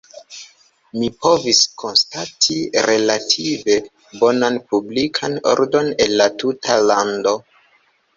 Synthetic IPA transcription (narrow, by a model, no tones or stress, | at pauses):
mipo̞viskʰo̞nstatʰiɾe̞latʰive̞ | bo̞nanpublikʰano̰ɾdo̞ne̞lːatutʰalando̞